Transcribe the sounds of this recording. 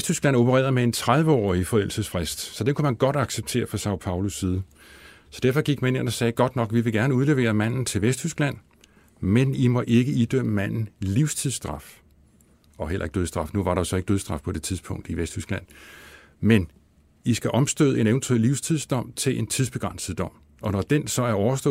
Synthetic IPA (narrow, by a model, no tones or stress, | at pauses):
sd̥ysɡ̥læn̰o̝pʰəʁɛ̰ːɐðˠmee̝nt͡sʰʁað̞ˠʋəɒ̰ːifɒ̽elsəsfʁesd̥sɒ̽d̥enkʰumænɡ̥ɒ̽d̥ɑ̈ɡ̥seb̥̚t͡sʰe̝̰ːɐfʁɑ̈sɑ̈ʊpʰɑ̈ʊlusːiːð̞ˠə | sɒd̥æɐfɒ̽ɡ̥iɡ̥mæne̝nɒ̽sɛːɡ̥ɒ̽d̥nɒ̽ɡ̥ʋiʋe̝ɡ̥æɐnəuð̞ˠle̝ʋe̝̰ːɐmæn̰n̩t͡sʰe̝lʋesd̥hysɡ̥læn̰ | menimɒ̽ʔe̝ɡ̥əid̥øm̰əmæn̰n̩liʊst͡sʰiðˠsd̥ʁɑ̈f | ɒ̽ɦel̰ɐeɡ̥̚døð̞ˠsd̥ʁɑ̈fnuʋɑ̈ɾɑ̈osɒ̽e̝ɡəd̥øð̞ˠsd̥ʁɑ̈fpʰɒ̽d̥e̝t͡sʰiðˠspʰɔ̽ŋ̰d̥iʋesd̥hysɡ̥læn̰ | men | isɡ̥æʔɒ̽msd̥ø̰ðˠe̝neʋənt͡sʰuḛliʊst͡sʰiðˠsd̥ɒ̽m̰t͡sʰe̝lʔe̝nt͡sʰiðˠsb̥e̝ɡ̥ʁɑ̈n̰səð̩ˠd̥ɒ̽m̰ | ɒ̽nɒd̥ensɒ̽æɐɒʊɐsd̥ɔ̰